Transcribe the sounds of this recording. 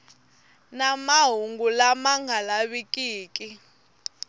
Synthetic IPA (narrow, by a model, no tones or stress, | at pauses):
namaɦuŋɡulamaŋɡʱalaβikʼiːkʼi